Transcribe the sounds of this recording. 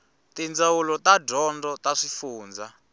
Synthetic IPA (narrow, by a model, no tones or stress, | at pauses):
tind͡zawulɔtadɔndɔt̪aʂifuːnd͡za